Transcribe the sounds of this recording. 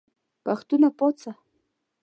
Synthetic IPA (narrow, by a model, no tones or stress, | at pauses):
paχt̪ʊnapot͡sa